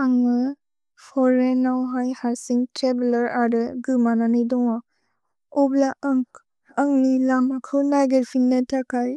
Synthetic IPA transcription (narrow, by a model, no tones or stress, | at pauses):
aŋɯ | pʰɔɾenːawɦajhaɾsiŋtɾebilɐɾaɾɯɡɯmananidɔŋɔ | ɔblaʔŋ | əŋnilamakʰɯwnajɡeɾpʰinːɯtʰakʰaj